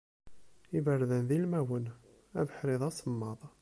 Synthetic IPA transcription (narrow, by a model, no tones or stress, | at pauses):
ivərːðənðilmæwən | ævəħɾɪðˤɑsəmːɑðˤ